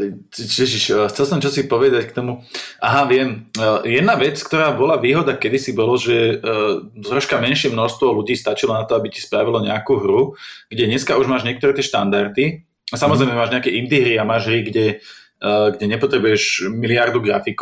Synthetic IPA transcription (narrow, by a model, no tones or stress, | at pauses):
t͡ʃɛʒiʃxt͡sɛlsɔmt͡ʃɔsipɔʋɛd̪ackt̪ɔmuʔaɦaʋɪɛmjɛd̪naʋɛt͡skt̪ɔɾaːbɔlaʋiːɦɔd̪akɛd̪isibɔlɔʒɛ | zɾɔʃkamɛnʃɪɛmnɔʃst̪ʋɔluɟiːst̪at͡ʃilɔnat̪ɔabici̥spɾaʋilɔɲɛakuɦɾuɡ̥ɟɛɲɛskauʒmaːʒɲɪɛk̚t̪ɔɾɛːt̪ɪɛʃt̪a̰nd̪aɾt̪i | asamɔzɾɛjmɛmaːʒɲɛakɛind̪iɦɾiamaːʒɦɾiɡɟɛ | ɡɟɛɲɛpɔt̪ɾɛbujɛʃmiliaɾd̪uɡɾa̰fik